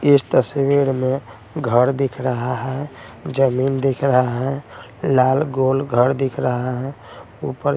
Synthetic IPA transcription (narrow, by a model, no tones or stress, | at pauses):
ɪst̪əswiɾmẽ | ɡʱəɾd̪ɪkʰɾəɦaɦɛd͡ʒəmind̪ikʰɾəɦaɦɛ | laːlɡolɡʱəɾd̪ɪkʰɾəɦaɦɛ̃ | upəɾ